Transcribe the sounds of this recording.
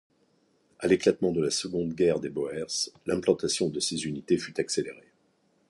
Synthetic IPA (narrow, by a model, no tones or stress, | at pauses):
aleklat̪mɑ̃d̪əlasəɡɔ̃d̪ɡʲɛʁd̪ebɔɛʁslɛ̃plɑ̃t̪asjɔ̃d̪əsezynit̪efyt̪akseleʁe